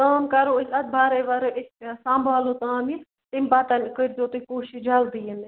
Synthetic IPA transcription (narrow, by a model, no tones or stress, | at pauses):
k̪aːmkɐɾoːɪsɐd̪̚bʱaːɾeʋɐɾɪssãːmbʱaːloːt̪aːmi | t̪ɪmpaːt̪ɐnkəɾd̪oːt̪ikoːʃɪd͡ʒald̪iːɦɪn